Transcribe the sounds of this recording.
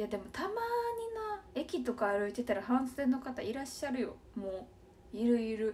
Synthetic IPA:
jad̪e̞mo̞t̪amaɲ̟inae̞kʲit̪o̞kaːɾɯ̟it̪e̞t̪aɾahãɰ̃sɨẽ̞nːo̞kat̪a̰iɾaɕːaɾɯ̟jo̞̰ | moː | iɾɯ̟iɾɯ̟

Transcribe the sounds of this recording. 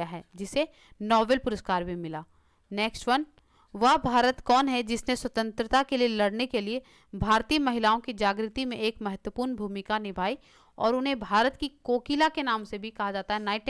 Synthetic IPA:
aɦɛːd͡ʒɪse | nɔːʋelpʊɾəskaːɾbʱimɪlaː | neːksʈʋɐn | ʋɐɦbʱaːɾət̪kɔːnɦɛd͡ʒɪsneswɐt̪ə̃nt̪ɾət̪akelielɐɽnekelie | bʱaːɾt̪iːəmɐɦɪlaːõkid͡ʒaːɡɾɪt̪imẽʔeːkmɐɦət̪wəpuːɾnbʱuːmɪkanɪbʱaːi | ɔ̰ːɾʊnɦẽbʱaːɾət̪kikoːkilakenaːmsebʱikɐɦad͡ʒaːt̪aɦɛnaːɪʈ

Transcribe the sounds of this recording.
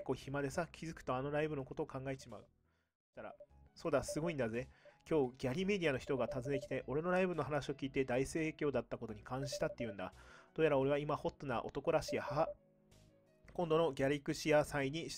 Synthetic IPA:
ko̞çimad̪e̞sakʲʰizɨkɯ̥t̪o̞ano̞ɾaibɯ̟no̞ko̞t̪o̞ːkãŋɡaeeɕimaɯ̟̥ | t̪aɾa̰so̞ːd̪asɨɡo̞ĩnd̪aze̞kʲo̞ːɡʲaɾʲime̞dʲiano̞çi̥t̪o̞ɡat̪azɨe̞kʲi̥t̪e̞ʔo̞ɾe̞no̞ɾaibɯ̟no̞ɦanaɕio̞kʲiːt̪e̞d̪aise̞ːkʲo̞ːd̪at̪ːako̞t̪oɲ̟ikʰãɰ̃ɕi̥t̪at̪ːejɯ̟̃nd̪a̰d̪̥oːjaɾao̞ɾe̞βaimaho̞t̪ːonaʔo̞̰t̪o̞ko̞ɾaɕiaha | kõnd̪o̞no̞ɡʲaɾʲikɯ̟ɕiasaiɲ̟iɕ

